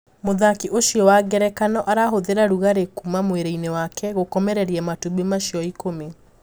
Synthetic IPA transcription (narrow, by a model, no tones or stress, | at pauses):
moðakiʔoʃiɔwaɡɛɾɛkanɔʔaɾaɦoðeɾaɾuɣaɾekumamweɾeinewakʰɛɣokɔmɛɾɛɾiɛmatuβemaʃiɔikome